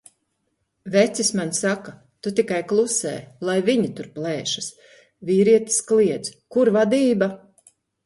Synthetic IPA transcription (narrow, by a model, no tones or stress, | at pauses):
vɛt̪sismansaka | t̪ut̪ikajklˠusɛ̰ːlˠajviɲit̪uɾplˠɛːʃḁs | viːɾiɛt̪i̥skliɛd̪zkuɾvad̪iːba